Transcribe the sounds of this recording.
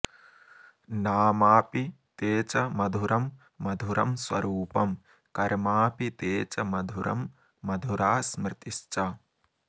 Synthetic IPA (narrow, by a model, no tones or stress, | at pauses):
naːmaːpit̪eːt͡ʃɐmɐd̪ʱuɾʔɐmː | ɐd̪ʱuɾɐmswɐɾuːpɐm | kɐɾmaːpit̪eːt͡ʃɐmɐd̪ʱuɾɐ̰mː | ɐd̪ʱuɾaːsmɾɪt̪iʃt͡ʃa